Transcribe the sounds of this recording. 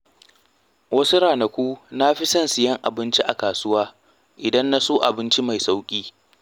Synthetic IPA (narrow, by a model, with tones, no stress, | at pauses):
wɐ˦su˦ɽaː˨nɐ˨kʷu˦na˦ɸi˦sɐ˦nsɪ˨jɐ˦ŋʔa˨bɪ˦nt͡ʃi˦ʔa˨kaː˨sʊ˦waː˦ | ʔɪ˨dɐ˦nːa˦soː˦ʔa̰˨bɪ˦nt͡ʃi˦ma˨jsa˦wkʲʼiː˦